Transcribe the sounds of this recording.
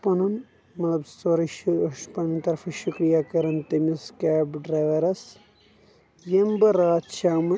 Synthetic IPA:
pɐnun | mɐt̪lɐbst̪oɾiʃpɐnɐnt̪ɐɾfʰɐʃukɾijaːkɐɾɐnt̪ɐmiskaːbɖɾajʋɐɾɐs | jembɐɾaːt̪t͡ʃaːmɐ

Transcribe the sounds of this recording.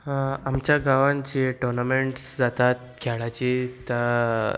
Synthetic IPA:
amt͡ɕjaɡaʋand͡ʑeʈɔɾnameɳʈsd͡zat̪at̪̚ | kʰɛɭat͡ɕit̪a

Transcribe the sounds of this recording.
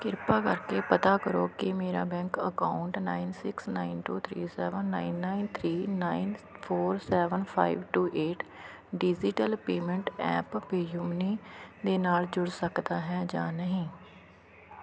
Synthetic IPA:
kɪɾpaːkəɾkeːpət̪aːkəɾoːkɪmeːɾa̰ːbɛ̃ːŋkəkaːʊɳʈnaːinsɪksnaːinʈuːt̪ʰɾḭːsɛːʋənːaːinːaːint̪ʰɾiːnaːinpʰoːɾsɛːʋənpʰa̰ːiʋʈuːʔeːʈʰ | ɖɪd͡ʒɪʈəlpeːmə̃ɳʈɛ̰ːppeːjumniːd̪eːnaːld͡ʒʊɽsəkd̪aːɦɛːd͡ʒã̰ːnəɦĩː

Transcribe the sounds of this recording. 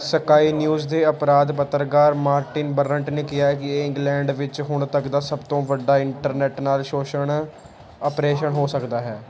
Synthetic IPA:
səkaːiːnjuːzd̪eːəpɾaːd̪pət̪ːəɾkaːɾmaːɾʈɪnbəɾəɳʈneːkɪjaːɛːkɪɪ̃ŋɡlɛ̃ːɳɖʋɪt͡ʃɦʊɳt̪əkd̪aːsəbt̪õːʋəɖːaːɪɳʈəɾnɛːʈnaːlʃoːʃəɳ | əpɾeːʃəɳɦoːsəkd̪aːɦɛː

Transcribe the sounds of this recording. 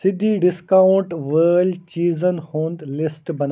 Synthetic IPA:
sɪd̪ʱiɖɪskaʊɳʈʋəːlt͡ɕiːzənhõːnd̪lɪsʈbɐn

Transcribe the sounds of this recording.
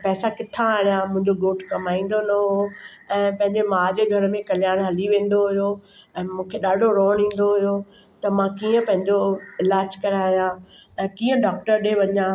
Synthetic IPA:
pɛːsakɪt̪ʰãaːɽijãmʊ̃ɦɪ̃ɲd͡ʑoɡoːʈʰkɐmaːĩːn̆d̪onɐɦoɛ̃ːpɐ̃ɦɪ̃ɲd͡ʑemaːd͡ʑeɡʱɐɾəmẽkɐlɪjaːɽ̃ɦɐliʋẽːn̆d̪oɦʊjo | ɛ̃ːmũːkʰeɗaːɖʱoɾoːɽ̃ĩːn̆d̆d̪oɦʊjo | t̪ɐmãkiːə̃pɐ̃ɦɪ̃ɲd͡ʑoɪlaːd͡ʑkɐɾaːjãɛ̃ːkiːə̃ɖaːk̚ʈəɾɗeʋɐɲãː

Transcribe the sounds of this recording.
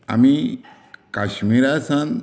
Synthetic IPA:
a̰mi | kaɕmiɾasãn

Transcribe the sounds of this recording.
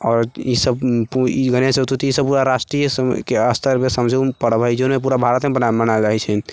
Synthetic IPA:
ɔːɾisəbiɡənesəbt̪ʰut̪isəb̚puɾaɾasʈɾijskeəst̪ʰəɾmesəmd͡ʒeupəɽəbəd͡ʒonmep̬uɾabʱaɾət̪mebənamənald͡ʒaɦɛt͡ʃʰɛ

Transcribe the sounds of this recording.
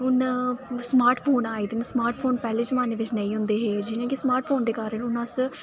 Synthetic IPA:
ʊnsmaːɾʈpʰoːnaːiːd̪ɪnsmaːɾʈpʰoːnpɛːleːd͡ʒəmaːneːʋɪt͡ʃnə̃ĩːɦʊ̃nd̪eːɦeːd͡ʒɪnãːkismaːɾʈ̚pʰoːnd̪eːkaːɾəɳʊnãs

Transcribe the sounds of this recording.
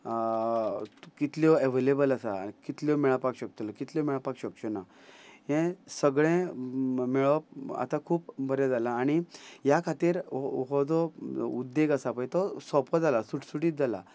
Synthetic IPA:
kit̪lɔeʋelebəlasakit̪lɔmɛɭapakɕək̚t̪olɔkit̪ljɔmɛɭapakɕəkt͡ɕɔna | ɦẽsəɡɭẽmiɭəp̚a̰t̪akʰuːpbəɾjad͡zalaːɽ̃ijakʰat̪iːɾɦɔd͡zɔud̪ːeɡasapəjt̪ɔsɔpɔd͡zalasuʈsuʈiːt̪̚d͡zala̰

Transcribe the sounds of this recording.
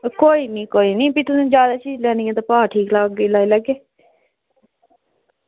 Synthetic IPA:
koːiːnĩːkoːiːnĩːpit̪ʊsũːd͡ʒjaːd̪aːt͡ʃiːd͡ʒlɛːnĩːɛ̃ːt̪aːpaːʈʰiːklaːɡiːlaːiːləɡːeː

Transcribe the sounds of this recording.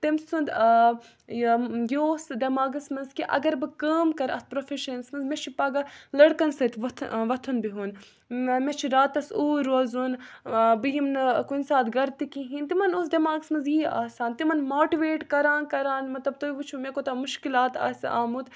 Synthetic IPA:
t̪imsund̪ | josd̪ɐmaːɡɐsmɐnzkiʔɐ̰ɡɐɾbɨkəːmkɐɾɐ̰spɾofʰʲiʃɐnsmɐnzmet͡ʃʰipɐɡalɐɽkɐnsɐt̪ʋɐt̪ʰʋɐt̪ʰunbiɦun | met͡ʃʰiɾaːt̪ɐsuːɾozunbɨjimnɨkunsaːt̪ɡɐɾt̪ikĩɦĩːnt̪imɐnus̬d̪ɐmaːɡɨsmɐnzjiːa̰ːsaːnt̪imɐnmoːʈiʋeːʈkɐɾãːnkɐɾaːnmɐt̪lɐb̚t̪ojiʋut͡ʃʰumekot̪ɐmuʃkilaːt̪a̰ːsa̰ːmut̪

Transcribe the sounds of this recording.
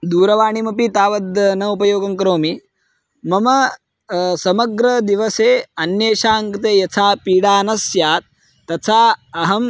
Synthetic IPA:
d̪uːɾɐʋaːɳimɐpit̪aːʋɐd̪ɐnɐupɐjoːɡɐmkɐɾoːmi | mɐmɐ | sɐmɐɡɾɐd̪iʋɐseːɐnjeːʃaːŋkt̪eːjɐt͡sʰaːpiːɽaːnɐsjaːt̪̚ː | ɐt͡sʰaːɐɦɐm

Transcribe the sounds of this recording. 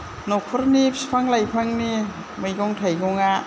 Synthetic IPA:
nɔk̚pʰɔɾnipʰspʰaŋlajpʰaŋni | majɡɔŋtʰajɡɔŋa

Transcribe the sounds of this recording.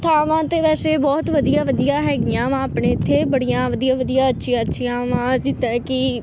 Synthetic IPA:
t̪ʰaːʋãːt̪eːʋɛːseːbɔːt̪ʋəd̪ijaːʋəd̪ijaːɦɛːɡɪjãːʋãːpɳẽːɪt̪ʰːeːbəɽijãːʋəd̪ijãːʋəd̪ijaːətːʃʰijãːətːʃʰijãːʋãːd͡ʒɪt̪ɛ̃ːkɪ

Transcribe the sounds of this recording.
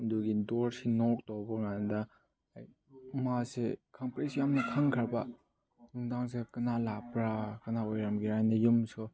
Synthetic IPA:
nduɡidɔɾsinɔk̚tɔwbɐŋanda | aj | masekʰampɾisjamnɐkʰaŋkʰaɾba | nuŋdaŋsekɯnalapɾakɐnaojɾamɡiɾajnɐjumsɔ

